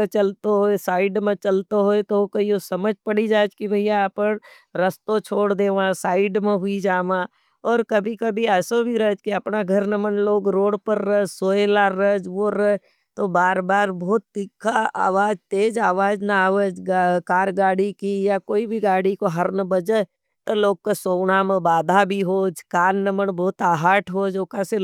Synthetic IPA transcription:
t͡ʃəlt̪oɦoesaːɪɖmẽt͡ʃəlt̪oɦoet̪okəiosɐməd͡ʒʱpəɽid͡ʒaːd͡ʒkibʱɐɪjapəɾ | ɾəst̪ot͡ʃʰoːɽd̪eːʋãsaːɪɖmẽɦʊid͡ʒaːʋã | ɔːɾkɐbʱikɐbʱiɛːsobʱiɾəd͡ʒkiɐpnaɡʱəɾnəmənloːɡɾoːɽpəɾːəd͡ʒsoːelaɾəd͡ʒʋoɾə | t̪obaːɾbaːɾbɔːt̪̚d̪ikʰːaa̰ːʋaːd͡ʒt̪eːd͡ʒaːʋaːd͡ʒnaaːʋəd͡ʒɡakaːɾɡaːɽikijakoːibʱiɡaːɽikoɦəɾnəbəd͡ʒə | t̪oloːɡ̚kasoːɳamẽbaːd̪ʱabʱiɦoːd͡ʒkaːnnəməɳbɔːt̪aːɦaːʈʰɦoːd͡ʒoːkase

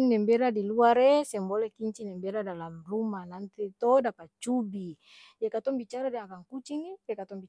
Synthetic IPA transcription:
nɛmbɛɾadiluaɾesɛmbɔlɛkiɲt͡ʃinɛmbɛɾadalamrumanant̪it̪ɔdapat͡ʃubi | dakat̪ɔŋbit͡ʃaɾadɛakaŋkut͡ʃinipɛkat̪ɔŋbi

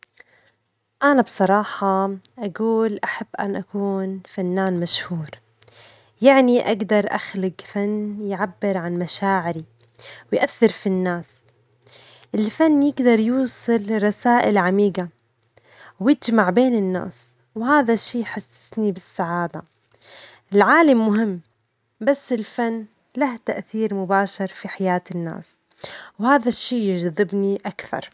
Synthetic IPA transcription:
ʔanabsˤɑɾˤɑːħɑʔaɡuːlʔaħabːʔa̰nʔakuːnfanːaːnmaʃhuːɾ | jaʕniʔaɡd̪ɑɾˤʔa̰xlɪɡfanːjʕabːɪɾʕanmaʃaːʕɪɾi | wjʔaθːɪɾfinːaːs | ʔɪlfanːjɪɡd̪ɑɾˤjuːsˤɨlɾˤɑsaːʔɪlʕamiːɡa | wjɪd͡ʒmaʕbeːnɪnːa̰ːs | whaːðaʃːiːjħasːɪ̥snibɪsːaʕaːd̪a | ɪlʕaːlamːʊɦɪmː | basːɪlfanː | laht̪aʔθiːɾmʊbaːʃɑɾˤfiħajaːt̪ɪnːa̰ːs | whaːðaʃːiːjɪʒðˤɪbniʔakθɑ̰ɾˤ

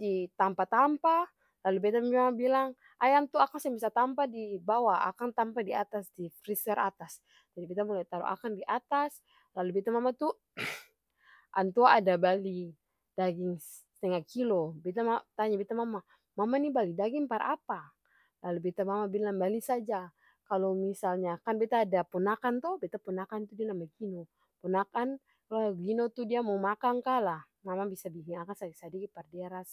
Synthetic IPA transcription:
dit̪ampat̪ampa | lalubɛt̪ammamabilaŋ | ʔajant̪uakaŋsɛbisat̪ampadibawaa̰kant̪ampadiat̪asdifɾisɛɾʔa̰t̪as | d͡ʒadibit̪amulajt̪aɾṵʔa̰kandiʔat̪as | lalubɛt̪amamat̪u | ʔa̰nt̪uaːdabali | d̥aɡɪŋ | t̪ɛŋakilobet̪aat̪aɲabet̪amama | mamanibalidaɡiŋpaɾʔa̰pa | lalubet̪amamabilaŋbalisad͡ʒa | kalomisalɲakanbet̪aːdapunakant̪ɔhbet̪apunakant̪udianamaɡino | punakan | laɡinot̪udiamaumakaŋkalah | mamabisabiɡiŋakasaɡisadiɡipardeaɾas

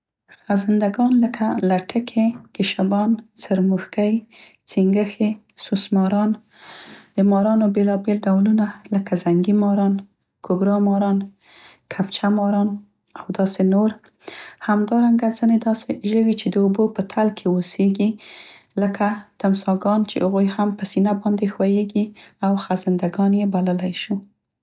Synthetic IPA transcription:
xazɪnd̪aɡɑnləkʰalaʈʰəkʰekɪʃabɑnsaɾmuxkaj | t͡siŋɡəxe | susmɑɾɑn | d̪̥əmɑɾɑnobelɑbelɖawlunaləkazaŋɡimɑɾɑn | kʰʊɡɾɑmɑɾɑn | kʰapt͡ʃamɑɾɑn | awd̪ɑsenoɾ | hamd̪ɑɾaŋɡazəned̪ɑseʒəwit͡ʃed̪əobopət̪ʰalkʰeoseɡi | ləkʰat̪amsɑɡɑnt͡ʃḛhaɣojhampəsinabɑnd̪exwajeɡiawxazɪnd̪aɡɑnjebaləlajʃu

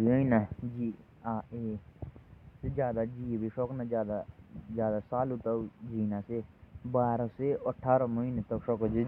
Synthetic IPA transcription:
iməiːnad͡ʒiː | aːeː | sed͡ʒjaːd̪aːd͡ʒiːbiʃoknad͡ʒjaːd̪ad͡ʒjaːd̪aːsaːlut̪ad͡ʒiːnaːsebaːɾaseːəʈʰːaːɾoməɦiːnet̪əkʃokd͡ʒi

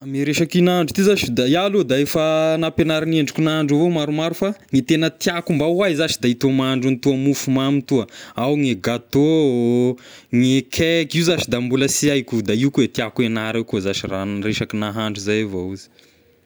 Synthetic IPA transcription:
miɾeʃakinaɳɖ͡ʐu̥t̪izaʃid̪ajalod̪aefənapenaɾineɳɖ͡ʐikʲunaaɳɖ͡ʐavomaɾumaɾufaŋit̪enət̪iakumbawajzaʃid̪ait̪omaaɳɖ͡ʐunit̪uəmufumamit̪uəawŋeɡat̪o | ŋekʰɛkiuzat͡ʃid̪ambuləsiajkud̪aiukuet̪iakuenaɾewkuzaʃiranreʃakinaɦaɳɖ͡ʐuzajvouzi̥

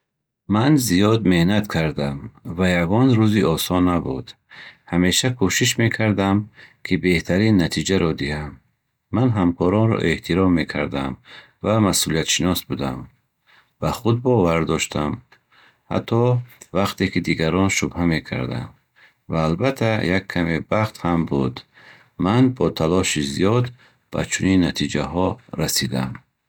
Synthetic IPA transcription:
manzijɔd̪me̞hnat̪kʰaɾd̪amvajaɡɔnɾuziʔɔsɔnːabud̪̥ | hame̞ʃakʰuʃiʃ̬me̞kʰaɾd̪amkʰibe̞ht̪ʰaɾinːat̪ʰid͡ʒaɾɔd̪ihamː | anɦamkʰɔɾɔnɾɔ̰ʔe̞ht̪ʰiɾɔmːe̞kʰa̰ɾd̪a̰m | vamasulijat̪ʃinɔsbud̪a̰m | b̥aχud̪̚bɔvaɾd̪ɔʃt̪ʰam | ha̰t̪ʰːɔvaqt̪ʰekid̪iɡaɾɔnʃubhame̞kʰa̰ɾd̪a̰n | vaːlbat̪ʰajakʰːamebaχt̪hambud̪ː | anbɔt̪ʰalɔʃizijɔd̪ | b̥a̰t͡ʃʰuninːat̪ʰid͡ʒaɦɔɾasid̪a̰m

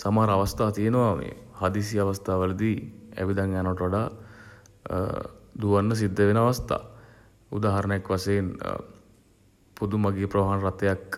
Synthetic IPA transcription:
samaɦɾəaʋast̪aːt̪ijenəʋamḛhad̪is̬ijaʋast̪aːʋələd̪iæ̰ʋid̪aŋjanəʋɐʈəʋaɖaː | d̪uʋanːəs̬id̪ːəʋenəaʋast̪a̰ː | ṵd̪aːɦɐɾənəjakʋaseːn | pud̪umaɡeːpɾɐʋaɦanəɾat̪ːejak

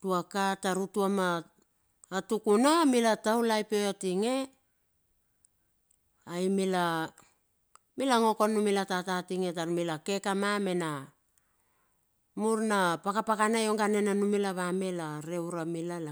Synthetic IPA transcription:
tuakataɾutuamaː | tukunamilatawlajpojotiŋe | ajmila | milaŋo̞ko̞numilatatatiŋe̞t̬aɾumilake̞kamame̞na | muɾnapakapakanajo̞ŋɡane̞nanumilaβame̞laɾe̞wɾamilala

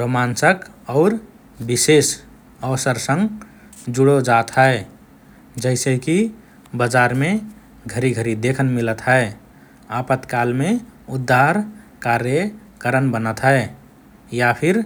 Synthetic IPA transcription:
ɾomansəkɔʊɾ | bises | əwsəɾsə̃ŋɡ | d͡ʒuɽod͡ʒat̪ɦɛe | d͡ʒəɪseki | bəd͡ʒaɾme | ɡʱəɾiɡʱəɾid̪ekʰənmilət̪ɦɛe | apət̪kalmeud̪ːaɾ | kaɾjə | kəɾənbənət̪ɦɛe | japʰiɾ

